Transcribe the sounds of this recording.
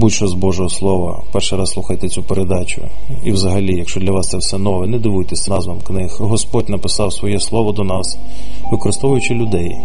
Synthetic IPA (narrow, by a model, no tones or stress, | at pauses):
butʲʃɔzbɔʒɔɦɔslˠɔʋɐ̰pɛrʃɪjɾɑsːlˠuxɐjt̪et͡sʲupeɾed̪ɑt͡ʃʊ̰ | iwzɐɦɐlʲijɐkʃt͡ʃɔdlʲɐʋɑst̪sɛwsɛnɔʋɛnɛd̪ɪʋujt̪esʲnɑzʋɐmknɪhɦɔspɔdʲnɐpɪsɑwsʋɔjɛslˠɔʋɔd̪ɔnɑs | ʋɪkɔɾɪst̪ɔʋʊjʊt͡ʃɪlʲʊd̪ɛj